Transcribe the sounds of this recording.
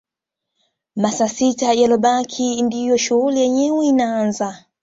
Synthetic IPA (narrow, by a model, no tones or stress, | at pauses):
masasitajalɔɓakʰindijɔʃuɣulijɛɲɛwɛinaanza